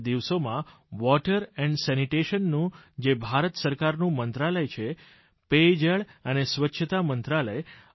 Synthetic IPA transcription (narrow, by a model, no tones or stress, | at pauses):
d̪iʋsomã | ʋɔʈəɾɛ̃ɳɖsɛniʈeʃənːũd͡ʒebʱaɾət̪səɾkaɾnũmənt̪ɾaləjt͡ʃʰe | ped͡ʒəɭənesʋətːʃʰət̪amənt̪ɾaləj